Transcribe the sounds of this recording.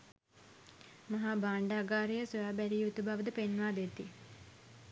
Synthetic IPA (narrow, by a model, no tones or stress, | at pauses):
mɐɦabaːɳɖaːɡaːɾejəsojaːbæɾijut̪ubaʋəd̪əpenːʋaːd̪et̪ːi